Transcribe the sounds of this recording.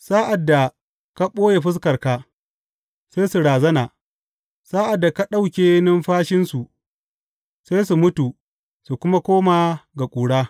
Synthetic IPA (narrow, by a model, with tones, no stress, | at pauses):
saː˦ʔa˨dːa˨ | ka˦ɓoː˦je˨ɸɪ˦s̬kɐ˨rka˦ | sa˦jsu˨ɽaː˨zɐ˦naː˨ | saː˦ʔa˨dːa˨ka˦ɗa˦wkʲeː˨nɪ˦mɸaː˦ʃɪ˦nsu˨ | seː˦jsu˨mʊ˦tu˨ | su˨kʷʊ˦ma˦kʷoː˦maː˨ɡa˨kʷʼuː˨ɽaː˦